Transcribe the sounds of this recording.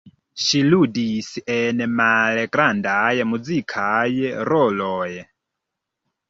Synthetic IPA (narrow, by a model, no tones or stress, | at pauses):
ʃiludisenmalɡɾandajmud͡zikʰajɾɔloj